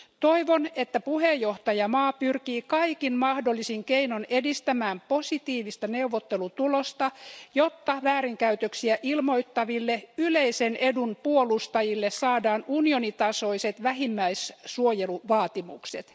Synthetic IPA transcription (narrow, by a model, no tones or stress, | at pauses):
t̪oiʋonet̪ːæpuhejːoht̪ɑjɑmɑːpyrkiːkɑikinmɑhdolːisiŋkeinonedist̪æmæːmposit̪iːʋist̪ɑneuʋːot̪ːelut̪ulost̪ɑjot̪ːɑʋæːɾiŋkæyt̪øksiæʔilmoit̪ːɑʋilːeyleisenedunpuolust̪ɑjilːessɑːdɑːnunionit̪ɑsoiset̪ʋæhimːæissuojeluʋɑːt̪imṵkset̪